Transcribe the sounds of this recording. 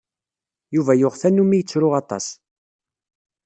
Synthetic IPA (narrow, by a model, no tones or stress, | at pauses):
juvæjʊʁθænːumijt͡sːɾʊʁɑt̪ˤɑ̰s